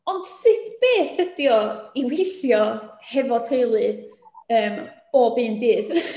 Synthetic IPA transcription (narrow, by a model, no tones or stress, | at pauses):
ɔnd̥sɪtʰb̥eːθədjɔiwejθjɔhɛvɔtʰejlˠɨəːmb̥oːbɨːndɨːð